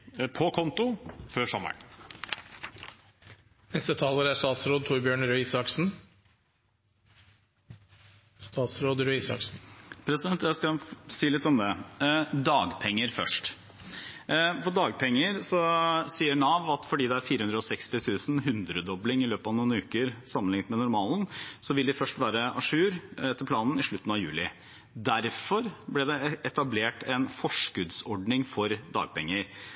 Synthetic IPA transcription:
pʰɔkʰɔnt̪ʊføːʂɔmə̰ɳ | nɛst̪ət̪ʰɑːləɾæʂt̪ɑːt̪sɾoːd̪̚t̪ʰuːɾbjøːɳɾœiːsɑksn̩ | st̪ɑːt̪sɾoːd̪ɾœiːsɑ̰ksn̩pʰɾɛsɪd̪ɛnt̪jæɪskɑsiːlɪt̪ːɔmd̪ɛd̪ɑːɡpʰɛŋːəɾfœ̰ʂʈ | fɔɖɑːɡpʰɛŋːəɾsɔsiːənɑːʋɑt̪fɔɖiːd̪ɛæɾfiːɾəhʉnd̪ɾəɔsɛkst̪ɪt̪ʰʉːsn̩ɦʉnd̪ɾəd̪ɔblɪŋɪløːpɑʋnuːnʉːkəɾsɑmːənlɪŋt̪mɛnʊɾmɑːlnsɔʋɪld̪ɪfœʂʈʋæːɾəʔɑʂʉːɾɛt̪ːəpʰlɑːnn̩ɪʂɭʉt̪ːn̩ɑʋjʉ̰ːlɪ | d̪æɾfɔɾblɪd̪ɛɛt̪ɑbleːʈɛnfɔʂkʉd̪sɔɖnɪŋfɔɾd̪ɑ̰ːɡ̚pʰɛŋːəɾ

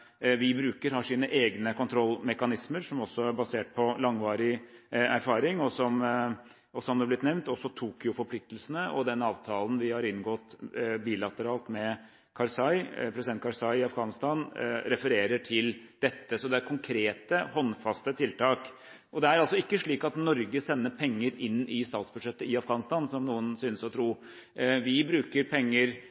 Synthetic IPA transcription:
ʋɪbɾʉːkəɾhɑʂiːnəʔeːɡnəkʊnt̪ʰɾɔlːmɛkɑnɪsməɾʂɔmɔsːɔæɾbɑseːʈ̚pʰɔlɑŋʋɑːɾɪæɾfɑːɾɪŋɔsɔm | ɔsɔmd̪ɛblɪt̪nɛʋnt̪ɔsːɔt̪ʰuːkjʊfɔɾpʰlɪk̚t̪lsənəʔɔ̰d̪ɛnɑːʋt̪ʰɑːlən̩ʋɪhɑɾɪnɡɔt̪biːlɑt̪əɾɑːlt̪mɛ | kʰɑɾsɑɪpʰɾɛsɪd̪ɛnt̪kʰɑɾsɑɪɪɑfɡɑːnɪst̪ɑnɾɛfəɾeːɾəʈʰɪld̪̥ɛt̪ːəsɔd̪ɛæɾkʰʊŋkʰɾeːt̪əhɔnːfɑst̪ət̪ʰɪlt̪ɑːk | ʔɔd̪ɛæɾɑlsɔɪkːəʂɭiːkɑt̪nɔɾɡəsɛnːəpʰɛŋːəɾɪnːɪst̪ɑːt̪sbʉd̪ʂɛt̪ːəɪɑfɡɑːnɪst̪ɑːnsɔmnuːənsyːnəsɔt̪ʰɾuː | ʋɪbɾʉːkəɾpʰɛŋːəɾ

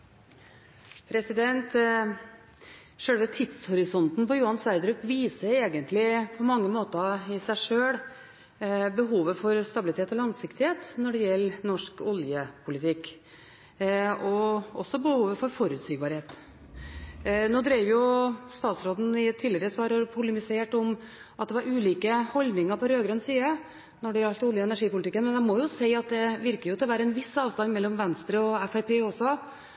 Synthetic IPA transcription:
pʰɾɛsɪd̪ɛnt̪ | ʂøːɽəʋɛt̪ʰɪd̪shɔɾɪsɔnt̪n̩pɔjuːɑnsʋæɪd̪ɾʉkʋiːsəɾeːɡənt̪lɪpʰɔmɑŋːəmoːt̪əɪsæɪʂøːɽ | bəɦuːʋəfɔɾst̪ɑbɪlɪt̪ʰeːt̪ɔlɑŋsɪkt̪ɪheːt̪nɔɖɛjɛlːnɔʂkɔljəpʰʊlɪt̪ʰɪkː | ɔʔɔ̰sːɔbəhuːʋəfɔɾfɔɾʉːt̪siːɡ̚bɑɾheːt̪ | noːd̪ɾɛːʋjʊst̪ɑːt̪sɾoːd̪n̩ɪɛt̪ʰːiːlɪɾəsʋɑːɾɔɾpʰʊləmɪseːʈɔm | ʔɑt̪d̪ɛʋɑɾʉːliːkəhɔld̪nɪŋəɾpʰɔɾøːɡɾœnsiːə | nɔɖɛɑlt̪ʊljəɛnæʂiːpʊlɪt̪ɪkːənmɛnɛmɔjʊsæɪɑt̪̚d̪ɛʋɪɾkəɾjʊt̪ʰɪlʋæːɾəɛnʋɪsɑːʋst̪ɑnmɛlːɔmʋɛnst̪ɾəɔɛfæɾpeːɔsːɔ

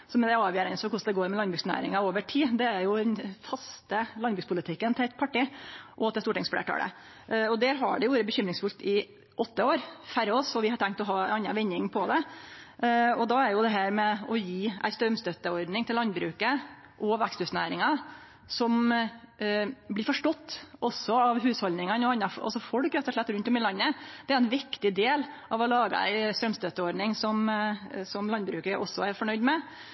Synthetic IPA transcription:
sɔmd̪ɛɑːʋjøːɾɛnsɔkʊʂd̪ɛɡoːɾmɛlɑnbɾʉːksnæ̰ːɾɪ̰ŋɑoːʋəʈʰiːd̪ɛæɾjʊd̪ɛnfɑst̪əlɑnbɾʉːkspʊlɪt̪ʰɪkːənt̪ʰɪɛt̪̚pʰɑʈiːʔɔt̪ɪst̪uːʈɪŋsflḛːʈʰɑ̰ːlə̰ | ɔd̪æːɾɦɑ̰ɖɛʋoːɾəbəçʏmɾɪŋsfʉlt̪ɪ | ʔɔt̪ːəoːɾfæɾɔːsɔʋɪhɑʈʰæŋkt̪ɔɦɑːɑnːɑʋɛnːɪŋpʰɔd̪ɛ | ɔd̪ɑæɾjʊd̪ɛɦæːɾmɛɔjiːʔæ̰ɪst̪ɾœmst̪œt̪ːəɔɾd̪nɪŋt̪ɪlɑnbɾʉːkə | ʔɔʋækst̪ʉːsnæ̰ːɾɪŋɑ | sɔm | blɪːɾfɔʂʈɔt̪ːɔsːɔɑʋɦʉːshɔlnɪŋənɔɑnːɑfsɔfɔɽkɾɛt̪ːɔʂɭɛt̪ːɾʉnt̪ɔmɪlɑnːəd̪̥ɛæɾɛnʋɪkt̪ɪd̪eːlʔɑʋɔlɑːɡɑ̰æ̰ɪst̪ɾœmst̪œt̪ːəɔɾɖ̪nɪŋsɔmsɔmlɑnbɾʉːkəʔɔsːɔæɾfɔɳœʏd̪mɛ

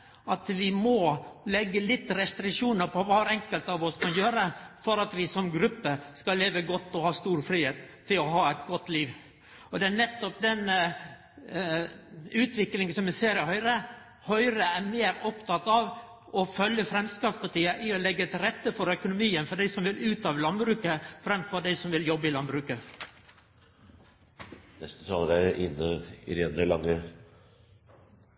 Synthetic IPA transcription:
ʔɑt̪ʋɪmɔlɛɡːəlɪt̪ːɾɛst̪ɾɪkʂuːnəɾpʰɔʋɑːɾɛŋkəlt̪ɑʋɔskʰɑnjøːɾəfɔɾɑt̪ʋɪsɔmɡɾʉpːəskɑlleːʋəɡɔt̪ːɔhɑːst̪uːɾfɾiːheːt̪ʰːɪlɔɦɑːæɪt̪ɡɔt̪ːliːʋ | ɔd̪ɛænɛt̪ːɔp̚d̪ɛn | ʉːt̪ʋɪklɪŋəsɔmɪseːɾɪɪhœʏɾə | hœʏɾəæmeːɾɔpt̪ɑt̪ːɑʋ | ʔɔfœljəfɾɛmskɑːpspɑʈiːəʔɪɔlɛɡːət̪ɪlɾɛt̪ːəfɔɾœkʊnʊmiːənfɔɖæɪsɔmʋɪlʉːt̪ɑːʋəlɑnbɾʉːkəfɾɛmfɔɖæɪsɔmʋɪljɔbːəɪlɑnbɾʉːkə | nɛst̪ət̪ʰɑːləɾæɪnːəɪ̰ɾɛnəɭɑŋːə

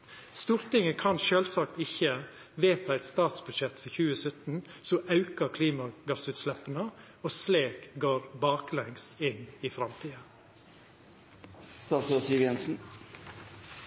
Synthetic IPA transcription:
st̪uːɾt̪ɪŋəkʰɑnʃøːlsɑk̚t̪ɪçə | ʋeːt̪ʰɑːæɪt̪st̪ɑːt̪sbʉd̪ʃɛt̪fɔçʉːəsœt̪n̩sɔʔɑʉkəkʰliːmɑɡɑsʉːt̪slɛpənə | osleːkɡoːɾbɑːklɛŋsɪniːfɾɑmt̪ʰiːə | st̪ɑːt̪søsɪʋjɛnsn̩

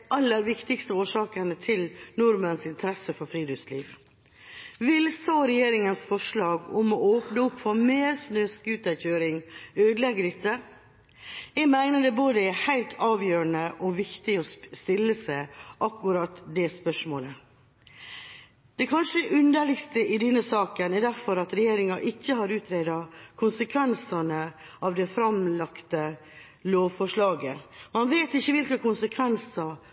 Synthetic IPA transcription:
ɑlːəɾʋɪkt̪ɪkst̪əoːʂɑːkənət̪ʰɪlnʊɾmənsɪnt̪ʰəɾɛsəfɔɾfɾiːd̪ɔsliːʋ | ʋɪlsɑːɾɛjeːɾɪŋənsfɔʂɭɑːɡʊmɔoːpnəʊpːfɔɾmeːɾsnøskʉːt̪æçøːɾɪŋøːd̪lɛɡəɾɪt̪ʰːə | ɛmæɪnəd̪ɛboːd̪əæhæɪlt̪ʰɑːʋjøːɾəɳəʔɔʋɪkt̪ɪɔst̪ɪlːəsæɪʔɑkːʉɾɑt̪d̪ɛspœʂmoːlə | d̪̥ɛkʰɑnʂəɛʔʉnd̪əɭɪkst̪əʔɪd̪ɛnːəsɑːkənɛɾd̪æɾfɔɾɑt̪ɾɛjeːɾɪŋɑʔɪçːəɦɑɾʉːt̪ʰɾed̪ɑkʰʊnsəkʰʋɛnsɑnəɑʋd̪ɛfɾɑmlɑkt̪ə | loːfɔʂɭɑːɡəmɑnʋeːt̪ɪçːəʋɪlkəkʰʊnsəkʰʋɛnsɑ

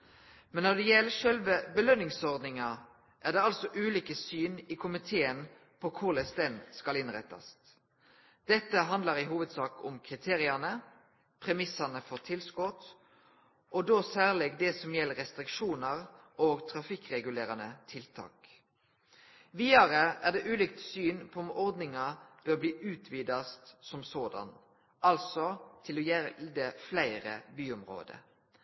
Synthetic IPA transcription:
mɛnːɔd̪ɛjɛləʃœlʋəbəlœnːɪŋsɔʁd̪nɪŋɑ | ʔæʁd̪ɛːɑlsɔʔʉːliːkəsyːniːkʰʊmɪt̪ʰeːən | pʰɔkʰʊlɛsd̪ɛnskɑlɪnʁɛ̰t̪ːɑ̰s | d̪̥ɛt̪ːəɦɑnd̪ləʁɪɦuːʋəd̪sɑːkʊmkʰʁɪt̪ʰeːʁɪɑnə | pʰʁɛmɪsɑnəfɔʁt̪ʰɪlskɔt̪ | ʔɔd̪oːsæːʁlɛɡd̪ɛsɔmjɛlːɾɛst̪ʁɪkʃuːnəʁ | ʔoːɡt̪ʰɾɑfɪkːʁɛɡʉleːʁɑnət̪ʰɪlt̪ʰɑ̰ːk | ʋiːɑɾəæʁd̪ɛʔʉːliːk̚t̪syːnpʰɔɔmɔʁd̪nɪŋɑb̥øːʁbliːʔʉːt̪ʰʋiːd̪ɑst̪sɔmsoːd̪ɑ̰n | ɑlsɔt̪ʰɪlɔjɛd̪ɛflæɪʁə̰byːʊmʁo̰ːd̪ə̰

